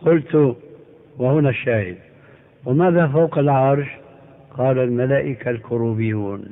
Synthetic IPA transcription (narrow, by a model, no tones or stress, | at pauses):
qʊlt̪ʊ | wahʊnaʃːaːhɪd̪ | wɪmaːðafawqɪlʕɑɾˤʃ | qɑːlalmalaːʔɪkalkʊɾuːbɪjːuːn